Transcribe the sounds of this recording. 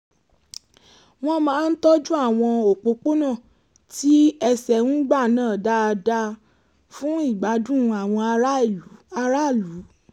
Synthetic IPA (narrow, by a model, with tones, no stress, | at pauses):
w̃ɔ̃˧mãː˨˦n̩˦tɔ˦d͡ʒu˦a˦˨w̃ɔ̃˧o˨k͡po˧k͡po˦nã˦˨ | ti˦ɛ˧sɛ˨ŋũ˦ɡ͡ba˦˨nãː˦˨da˧˦˧da˧ | fũ˦i˦˨ɡ͡ba˨˦dũ˦˧˦a˨w̃ɔ̃˧˦˨a˧ɾa˦˨lu˨˦